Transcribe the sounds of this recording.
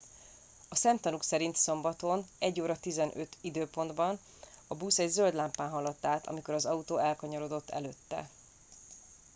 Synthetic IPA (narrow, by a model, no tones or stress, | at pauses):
ɒsɛmt̪ɒnuksɛɾint̪so̞mbɒt̪o̞nɛɟːoːɾɒt̪izɛnʔøt̪id̪øːpo̞nd̪bɒn | ɒbuːsɛɟzøld̪laːmpaːnɦɒlɒt̪ːaːt̪ʰɒ̰miko̞ɾɒzɒut̪oːɛlkɒɲɒɾod̪o̞t̪ːɛ̰løt̪ːɛ̰